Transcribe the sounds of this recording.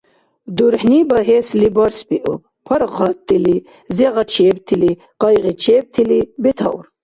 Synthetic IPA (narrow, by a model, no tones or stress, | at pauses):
d̪uɾħnibɐɦeslibɐɾspiʔṵ | pʰɐɾʁɑt̪ːili | zeʁɐt͡ʃʰeb̚t̪ʰili | qɑjʁit͡ʃʰeb̚t̪ʰilibet̪ʰɐ̰ṵɾ